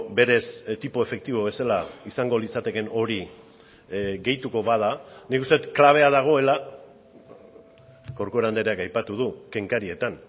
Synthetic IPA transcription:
be̞ɾe̞st̪ipoe̞fe̞k̚t̪iβo̞βe̞salaisaŋɡo̞lit͡sat̪e̞ke̞no̞ɾi | ɡe̞jt̪uko̞βað̞anikust̪e̞tklaβ̞e̞að̞aɣ̞o̞e̞la | ɡawɾkoeɾand̪eɾeakajpat̪uð̞uke̞ŋkaɾie̞t̪an

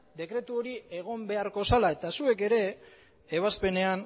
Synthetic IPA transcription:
d̪e̞kɾe̞t̪uo̞ɾie̞ɣ̞o̞mbe̞aɾko̞salae̞t̪asue̞ke̞ɾe̞ː | β̞aspe̞ne̞an

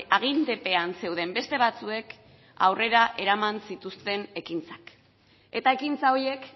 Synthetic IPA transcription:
aɣ̞ind̪epe̞anse̞wð̞e̞mbe̞st̪e̞β̞at͡sue̞k | a̰wre̞ɾaʔe̞ɾamansit̪ust̪e̞ne̞kint͡sḁk | e̞t̪ae̞kint͡saoɾje̞k

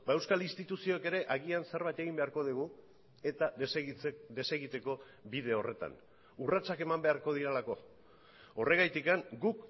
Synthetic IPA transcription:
bae̞wskalinst̪it̪usio̞eke̞ɾe̞ʔaɣianse̞ɾβajt̪e̞ɣ̞imbe̞aɾko̞ðiɣ̞u | e̞t̪a | d̪e̞se̞ɣit̪e̞ko̞ | bið̞e̞o̞re̞t̪a̰n | urat͡sake̞mambe̞aɾko̞ð̞iɾelako̞ | ore̞ɣ̞ajt̪ikaŋɡuk

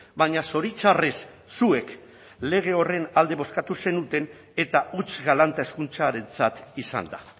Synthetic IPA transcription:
baɲaso̞ɾit͡ʃares | sue̞k | le̞ɣ̞e̞o̞re̞nald̪e̞βo̞skat̪use̞nut̪e̞n | e̞t̪aut͡sɣalant̪ae̞skunt͡saɾe̞nt͡sat̪isa̰nd̪a̰

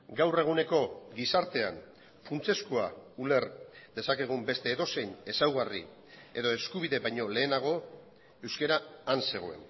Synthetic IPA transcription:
ɡawre̞ɣ̞une̞ko̞ɡisaɾt̪e̞a̰n | funt͡se̞skoa̰ule̞ɾd̪e̞sakeɣ̞umbe̞st̪e̞ːðo̞se̞ɲe̞sawɣarḭ | e̞ðo̞e̞skuβ̞iðe̞βajɲo̞le̞ːnaɣ̞o̞ | e̞wske̞ɾaːnse̞ɣ̞o̞̰e̞̰n

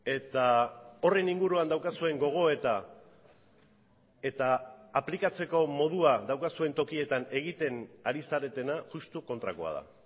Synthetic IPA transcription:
e̞t̪ao̞re̞niŋɡuɾuand̪awkasue̞ŋɡo̞ɣ̞o̞e̞t̪a | e̞t̪aːplikat͡se̞ko̞mo̞ð̞uaðawkasue̞nt̪o̞kie̞t̪ane̞ɣit̪e̞naɾisaɾe̞t̪e̞naʝust̪uko̞nt̪ɾako̞a̰ð̞a̰

